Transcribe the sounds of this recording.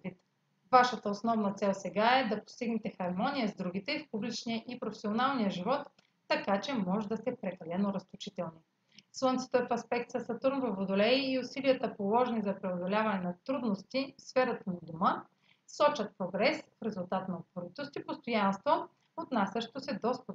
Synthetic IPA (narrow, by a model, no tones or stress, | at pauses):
d̪vit̪ | vaʃət̪əosnɔvnɐt̪sɛlˠsɛɡaɛd̪ɐpo̥st̪iɡnɛt̪ɛxɐɾmɔnijəzd̪ɾuɡ̟it̪ɛfpublit͡ʃniəʔipɾofɛ̥sionalˠnijəʒivɔt̪ː | ɐkat͡ʃɛmɔʒɛd̪ɐst̪ɛpɾɛkɐlɛnoɾɐst̪ot͡ʃit̪ɛlˠni | slˠɤnt̪si̥t̪oɛfɐspɛk̚t̪sɐsɐt̪uɾnvəvod̪olɛiːʊsiliət̪əpolˠɔʒɛnizɐpɾɛod̪olʲavɐnɛnɐt̪ɾud̪nost̪ifsfɛɾət̪ənɐd̪omə | sɔt͡ʃɐt̪̚pɾoɡɾɛsfɾɛzʊlˠt̪at̪nɐot̪voɾit̪ost̪ipost̪ojanst̪vo | ot̪nasʲɐʃt̪osɛd̪ɔst̪ə